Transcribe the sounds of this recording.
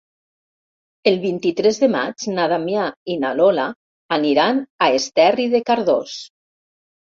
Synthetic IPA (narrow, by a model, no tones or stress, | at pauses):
elˠβint̪it̪ɾezðema̰d͡ʒnaðamjainalola | aniɾanaest̪ɛriðekaɾðos